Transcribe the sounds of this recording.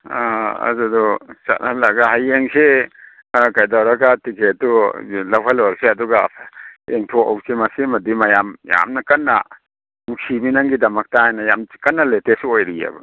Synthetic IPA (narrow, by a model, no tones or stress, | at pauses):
aɐ̰zudɔsa̰thalːaɡaɦajeŋse | kajdawɾɐɡatikʰetːulɐwʰalawɾseɐduɡa | eŋtʰɔa̰wsemɐsemɐdimɐjamja̰mnɐkɐnːɐ | mukʰiminaŋɡidɐmɐk̚taajnajamkɐnːɐletesojɾia̰bɐ̰